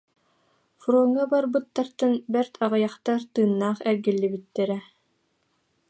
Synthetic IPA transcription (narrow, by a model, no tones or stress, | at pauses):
fuɾuŋːabaɾbɯt̪ːaɾt̪ɯnbɛɾt̪ʰaʁɯjaχt̪aɾt̪ɯːnːaːχɛɾɡilːibit̪ːɛɾɛ